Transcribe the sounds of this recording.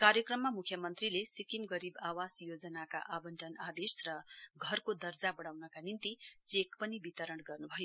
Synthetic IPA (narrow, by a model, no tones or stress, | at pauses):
kaɾjʌkrʌmːamukʰjʌmʌnt̪rilesikimɡʌɾibawasjod͡zʌnaka̰ʔabʌnʈʌnad̪esrʌɡʱʌrkod̪ʌrd͡zabʌɽawnʌkanint̪it͡sekpʌnibit̪ʌɾʌɳɡʌrnubʱʌjo